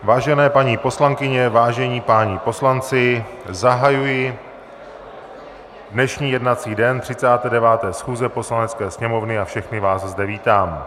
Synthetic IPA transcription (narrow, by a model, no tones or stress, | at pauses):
vaːʒɛnɛːpaɲipo̞slaŋkɪɲɛvaːʒɛɲiːpaːɲɪpo̞slant͡sɪzaɦajujɪ | dnɛʃɲiːjɛdnat͡siːdɛnt̪r̝̥ɪt͡saːt̪ɛːdɛvaːt̪ɛːsxuːzɛpo̞slanɛt͡skɛːsɲɛmo̞vnɪafʃɛxnɪvaːszdɛviːt̪aːm